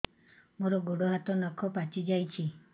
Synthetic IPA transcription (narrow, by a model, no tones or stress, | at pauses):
moɾɔɡoɽɔɦat̪ɔnɔkʰɔpat͡ʃid͡ʒajt͡ʃʰi